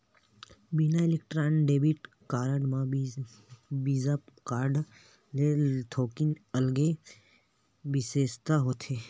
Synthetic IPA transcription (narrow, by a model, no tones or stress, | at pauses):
binaɪlek̚ʈɾaːnɖeːbiʈ | kaːɾəɖmã | biːzakaːɾɖ | let̪ʰoːkinɐlɡe | bɪseːst̪aɦoːt̪ʰeː